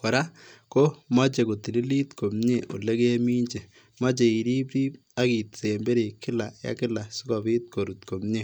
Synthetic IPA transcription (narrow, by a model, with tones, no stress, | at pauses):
kɔ˨ɾa˦ko˦ma˦t͡ʃe˨ko˨ti˨li˦li˦tko˨mɲe˦˨ʔo̰˨le˦ke˦mi˦ɲd͡ʒe˨ | ma˦t͡ʃe˨i˨ɾi˦pɾi˦p̚ | a˦ki˨tse˨mbe˦ɾe˨kɪ˦la˨ja̰˦kɪ˦la˨su˦kɔ˨bi˦t̚ko˨ɾu˨tko˨mɲe˦